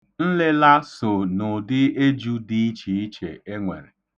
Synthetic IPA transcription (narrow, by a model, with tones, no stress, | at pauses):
n̩˦lɪ˦la˦so˨nʊ˨dɪ˦e˦d͡ʒu˦di˦i˦t͡ʃi˨i˦t͡ʃḛ˨e˦ŋʷḛ˨ɾe˨